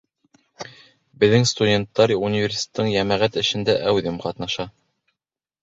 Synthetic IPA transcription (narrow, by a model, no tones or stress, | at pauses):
bɘ̆ðːɘŋst̪udʲent̪ːɑɾʲiunʲivʲerʲsʲi̥t̪ʲe̥t̪ːɤɴjæmæʁæt̪ɘ̆ʃɘ̆nd̪æʔæwðɘmqɑt̪nɑʃɑ